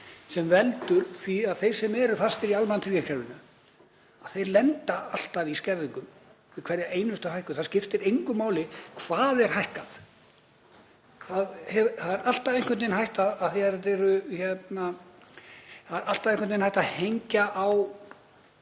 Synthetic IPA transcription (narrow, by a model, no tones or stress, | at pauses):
sɛmvɛlt̪ʏɾ̥θiaðθejɾ̥sɛmɛɾʏfast̪ɛɾialmant̪ʰɾikakʰɛɾvɪnʏ | aðθejɾlɛnt̪aal̥t̪aviscɛɾðiŋkʏm | vɪkʰv̥ɛɾjaʔeːjnʏst̪ʏhajhkʏ̥θaðscɪft̪ɪɾejŋkʏmːaːwlɪkʰvaːðɛɾ̥hajhkaθ | θaðhɛθaðɛɾal̥t̪avejnkvɛnt̪ɪnɦajht̪aðaθiat̪ɛɾʏçɛt̪na | θaðɾalt̪avẽjŋkvœnɪnhajht̪ahejɲcaʔːw